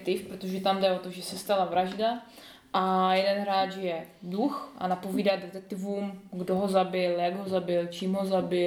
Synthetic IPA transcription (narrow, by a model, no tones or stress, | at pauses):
k̚t̪ɪfpɾot̪oʒɛt̪amdɛo̞t̪oʒɛsɛst̪alavɾaʒda | ʔajɛdɛnɦɾaːt͡ʃjɛ | duxʔa̰napoviːdad̪dɛt̪ɛk̚t̪ɪvumɡdoɦo̞zabɪljaɡɦo̞zabɪlt͡ʃiːmɦozabɪ